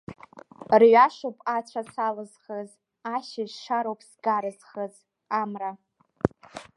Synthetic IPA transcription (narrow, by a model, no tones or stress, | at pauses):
rɥaʂopʼat͡ɕʷʰasalɨzχəz | aʃɪzʂaɾowpʰsɡaɾɨzχəz | amra